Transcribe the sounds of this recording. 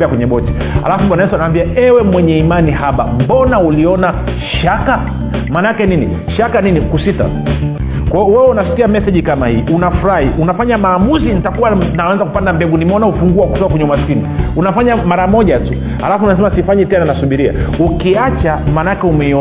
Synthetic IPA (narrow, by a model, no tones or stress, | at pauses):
bɛakwɛɲɛɓɔt͡ʃɛ̥ | a̰lafuɓanaɛsanawambiaɛwɛmwɛɲɛimanihaɓa̰m̩bɔnauliɔna | ʃaka | manaakɛnini | ʃakaninikusita̰ | kwaɔwɛwɛunasi̥tiamɛsɛʄikamahiːʔunafuɾahiʔunafaɲamaːmuzinitakuwanawɛnzakupandambɛɡunimɛɔnahufuŋɡuaku̥tɔkakwɛɲɛumaskiniunafaɲamaɾamɔʄatu | ha̰lafunasɛmasifaɲɛtɛnanasuɓiɾia̰ukiat͡ʃamanaakɛumɛiɔ